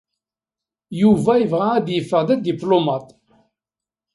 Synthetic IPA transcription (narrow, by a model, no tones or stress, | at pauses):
juvæjəvʁææd̪jəfːəʁðæd̪iplomɑt̪